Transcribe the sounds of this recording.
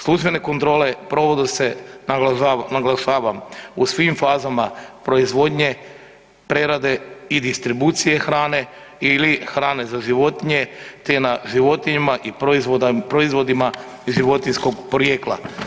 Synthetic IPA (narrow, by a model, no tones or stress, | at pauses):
slˠuʒbe̞ne̞ko̞nt̪ɾo̞ːle̞pɾo̞ʋod̪use | naɡlˠaʃaːʋamusʋimfaːzamapɾo̞izʋo̞d̪ɲe | pɾeɾad̪e̞id̪ist̪ɾibuːt̪sije̞xɾaːne̞ | ilixɾaːne̞zaʒiʋo̞t̪iɲe̞t̪enaʒiʋo̞t̪iɲimaʔipzopɾoizʋo̞d̪ima | ʒiʋo̞t̪insko̞ɡpɾojeklˠa̰